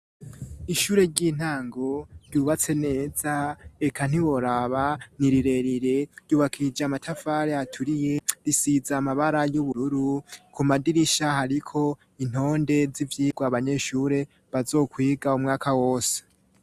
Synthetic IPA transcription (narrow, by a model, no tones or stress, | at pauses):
iʃuːɾe̞ɾɟiːn̥aːŋɡo̞ɾjuːβat͡se̞ne̞ːzaekʰan̥iβo̞ɾaβaniɾiɾe̞ɾiɾe̞ɾɟuːβakʰid͡ʒamatʰafaɾeatʰuɾije̞ɾisizamaβaɾajuβuɾuɾukumadiɾiʃahaɾikʰo̞ | in̥ho̞ːnde̞zivjiːɡwaβaɲe̞ʃuɾe̞ | βazo̞ːkwiːɡaumŋaːkawo̞ːse̥